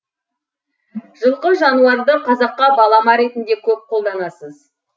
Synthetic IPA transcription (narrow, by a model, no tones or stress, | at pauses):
ʒ̥əlˠqəʒɑnuɑɾd̪əqʰɑzɑqːɑbɑlˠɑmɑɾe̞t̪ɪnd̪e̞kʲʰɵp̚qʰo̞lˠd̪ɑnɑsəz